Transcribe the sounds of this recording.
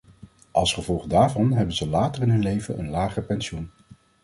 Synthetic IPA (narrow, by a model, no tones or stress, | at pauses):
ʔɑlˠsχəvɔlˠχdaːɹvɑnɦɛbənzəlaːtərɪnɦɵnlejvəʔənlaːχəpɛnsun